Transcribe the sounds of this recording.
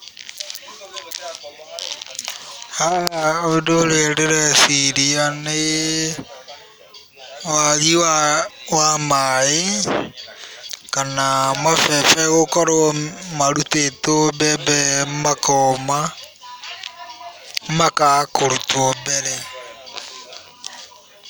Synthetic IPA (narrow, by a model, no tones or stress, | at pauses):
haaodoɾeɾeɾɛsiɾiane | waɣiwawamae | kanamafɛfɛɣokɔɾomaɾutetobɛbɛmakɔma | makakoɾutwɔbɛɾɛ